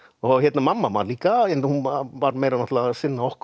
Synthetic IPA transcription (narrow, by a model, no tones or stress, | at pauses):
ɔhjɛt̪namamːama̰ɾliːkaɛnd̪ahunaʋaɾmejɾanaht̪lasɪnːaɔhk